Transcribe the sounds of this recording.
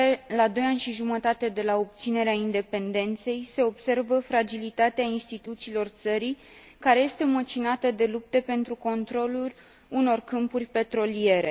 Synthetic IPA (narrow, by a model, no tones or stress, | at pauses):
elad̪o̞janʲʃiʒumət̪at̪e̞d̪e̞lao̞p̚t̪sine̞ɾeaind̪e̞pe̞nd̪e̞nt̪se̞jse̞o̞bse̞rvəfɾad͡ʒilit̪at̪eainst̪it̪ut̪siːlo̞rt̪səɾij | kaɾe̞je̞st̪e̞mət͡ʃinat̪əd̪e̞lup̚t̪epe̞nt̪ɾuko̞nt̪ɾo̞lulʲ | uno̞rkɨmpurʲpe̞t̪ɾo̞lie̞ɾe̞